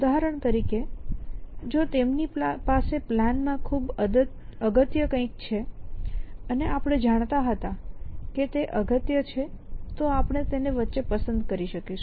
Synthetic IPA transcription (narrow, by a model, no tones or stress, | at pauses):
ud̪aɦɾəɳ̃t̪əɾike | d͡ʒot̪emnipaseplanmãkʰub | əɡət̪jəkə̃ĩk̚t͡ʃʰe | əneapɽ̃ed͡ʒaɽ̃t̪aɦət̪ãket̪eʔəɡət̪jət͡ʃʰet̪oapɳ̃et̪eneʋətːʃepəsənd̪kəɾiʃəkeʃu